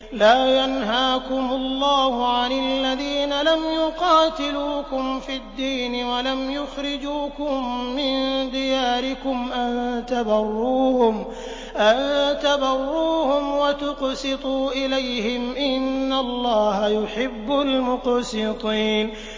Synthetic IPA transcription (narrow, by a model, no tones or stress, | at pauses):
laːjanɦaːkʊmʊlːɑːhʊʕanalːaðiːnalamjʊqɑːt̪ɪluːkʊmfid̪ːiːnɪwalamjʊxɾɪd͡ʒuːkʊmːɪnd̪ɪjaːɾɪkʊmʔant̪abɑrˤːuːhʊm | ʔant̪abɑrˤːuːhʊmwat̪ʊqsɨt̪ˤuːʔɪlajhɪmʔɪnːalˤːɑːhajʊħɪbːalmʊqsɪt̪ˤiːn